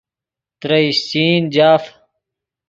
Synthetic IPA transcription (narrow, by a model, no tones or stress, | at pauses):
t̪ɾɐist͡ɕiːnd͡ʑaːf